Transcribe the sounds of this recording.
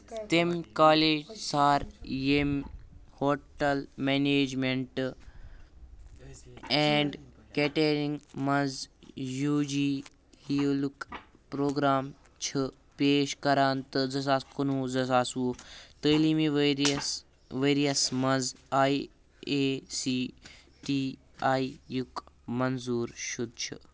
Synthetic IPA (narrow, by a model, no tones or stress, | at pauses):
t̪emkaːleːd͡ʒsaːɾjemhoːʈɐlmeːneːd͡ʒmeɳʈ | ɛːɳɖkeʈeɾĩŋɡmɐnzjuːd͡ʒiː | hiolukpɾoːɡɾaːm | t͡ʃʰɐ | peːʃkɐɾaːnt̪ɐzɐs̬aːskonuːzɐsaːsoːt̪əlimĩʋɾs | ʋeːɾijɐsmɐnzaːi | esiː | ʈiː | aːijukmɐnzuːɾʃud̪̚t͡ʃʰḭ